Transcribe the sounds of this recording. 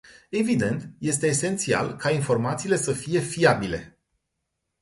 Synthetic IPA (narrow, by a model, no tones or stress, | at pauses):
e̞vid̪e̞nt̪je̞st̪e̞ːse̞nt̪sia̰lkainfo̞rmat̪siːle̞səfije̞fiabile̞̰